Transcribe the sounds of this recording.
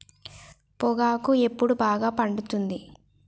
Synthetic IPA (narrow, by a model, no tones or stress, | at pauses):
pɔɡaːkue̞pːuɽubaːɡaːpɐɳɖut̪und̪i